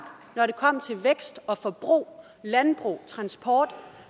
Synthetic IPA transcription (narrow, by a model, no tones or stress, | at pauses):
nɒɾe̝kʰɒ̽m̰t͡sʰe̝lʋeɡ̥sd̥ɒ̽fɒ̽b̥ʁṵː | lænb̥ʁṵːt͡sʰʁɑ̈nsb̥ʰɒːd̥